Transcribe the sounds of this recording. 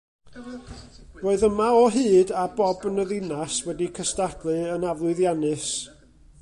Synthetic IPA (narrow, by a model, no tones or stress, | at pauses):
roːɨðəmaɔɦɨːdabɔbənəðɪnaswɛdikʰəstad̥lˠɨənavlˠʊɨðjanɨs